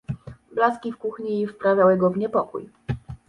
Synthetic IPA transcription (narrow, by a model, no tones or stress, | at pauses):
blaskʲifkuxɲiːfpɾavʲawɘɡɔvɲɛpɔkṵj